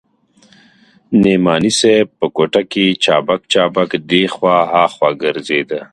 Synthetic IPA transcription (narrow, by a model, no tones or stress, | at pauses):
nemɑːniseb̚pəkoʈaket͡ʃɑːbakt͡ʃɑːbakd̪exwɑːɦaːxwaɡəɾzed̪ə